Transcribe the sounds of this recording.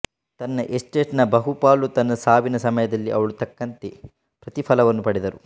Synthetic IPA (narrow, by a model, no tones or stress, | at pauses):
t̪ɐnːɐʔesʈeːʈnɐbɐɦupaːlut̪ɐnːɐsaːbinɐsɐmɐjɐd̪ɐlːiʔɐʋɐɭut̪ɐkːɐnt̪e | pɾɐt̪ipʰɐlɐʋɐnːupɐɽid̪ɐɾu